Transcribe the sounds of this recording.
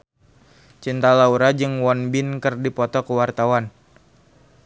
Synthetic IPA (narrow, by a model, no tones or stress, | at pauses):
t͡ʃint̪alauɾad͡ʒɨŋwɔnbɪnkɨrdipɔt̪ɔkəwart̪awan